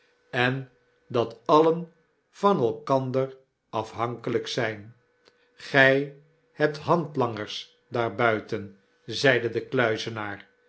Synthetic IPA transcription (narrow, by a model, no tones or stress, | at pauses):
ɛn | dɑtɑlən | v̥ɑnɛlˠkɑndər | ɑfɦɑŋkələksɛjn | χɛj | hɛp̚tɦɑntlɑŋəɹs | daːɹbœɥtən | zɛjdədəklœɥzənaːɹ